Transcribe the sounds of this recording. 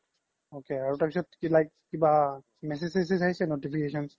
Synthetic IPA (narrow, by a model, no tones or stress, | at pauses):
okeaɹutaɹpisɔtkilajkːiba | mɛs̬esisisaɦisɛnotipʰikesɔns